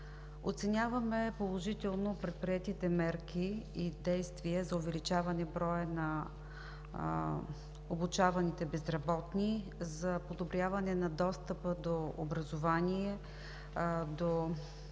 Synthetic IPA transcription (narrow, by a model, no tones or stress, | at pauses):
o̰t̪sɛnʲjavɐmɛpolˠoʒit̪ɛlˠnopɾɛt̪̚pɾiɛt̪it̪ɛmɛɾkiid̪ɛjst̪viəzɐʊvɛlit͡ʃavɐnɛbɾɔjənɐ | obut͡ʃavɐnit̪ɛbɛzɾɐbɔt̪ni | zɐpod̪obɾʲjavɐnɛnɐd̪ɔst̪əpəd̪oo̰bɾɐzovaniɛ | d̪o